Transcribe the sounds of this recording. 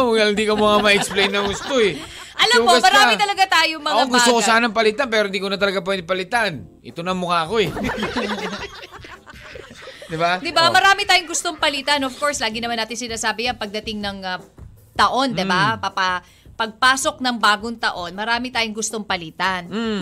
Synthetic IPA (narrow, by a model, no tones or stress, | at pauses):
ɡɐlɪnd̪iːkɐmʊkamɐɛksplejnːɐŋɡʊst̪oɛ | ʔɐlɐpoɐsmɐɾaːɪt̪ɐlɐɡat̪aːjoŋmɐŋaoɡʊst̪okosaanɐŋpɐlɪt̪anp̬ɛːɾohɪnd̪iːkonɐt̪ɐlɐɡap̬ɛnɪpɐlɪt̪an | ɪt̪onɐŋmʊkaːko̞ɛ | d̪ɪbad̪ɪbamɐɾaːmɪt̪aːjoŋɡʊst̪o̞ŋpɐlit̪ɐnofko̞ɹslaːɡɪnɐmanaːt̪ɪnsɪnaːsaːbɪjanpɐɡ̚d̪ɐt̪ɪŋnɐŋɐ | t̪ɐʔo̞nd̪ɪbapɐpɐ | pɐɡ̚paːso̞k̚nɐŋbaːɡoŋt̪ɐʔo̞nmɐɾaːmɪt̪aːjoŋɡʊst̪oŋpɐlit̪ɐn